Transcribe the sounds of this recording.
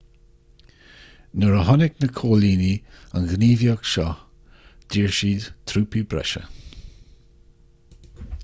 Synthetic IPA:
nəɹəɦɔnɪknəkʰoːliːnianɡniːvjɔɡʃɔ | d̪̥iːɹʃiːdt̪ʰɾuːpibɾɛ̰ʃə̰

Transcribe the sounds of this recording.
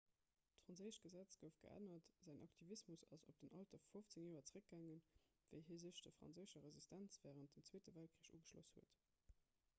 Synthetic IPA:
tfʁɑnzəɪʃɡ̥əzæt͡sɡ̥əʊfɡ̥ə̰ʔæ̰nɐtz̥æɪŋʔɑk̚tʰivismusɑ̰sop̚d̥ənʔɑltɐffoft͡seŋjoːɐt͡səʁək̚ɡ̥æŋən | v̥ə̰ɪɦiːzəʃd̥əfʁɑ̰nzəɪʃɐʁezistʰænt͡sv̥æːʁənt̚dənt͡sweːtəvælt̚kʰʁiːəɕuːɡəʃlo̰shuət

